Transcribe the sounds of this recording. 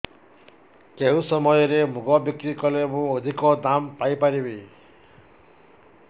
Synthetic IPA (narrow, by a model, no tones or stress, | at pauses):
keɦũsɔmɔjɔɾemuɡɔbikɾikɔlemũod̪ʱikɔd̪ampajpaɾibe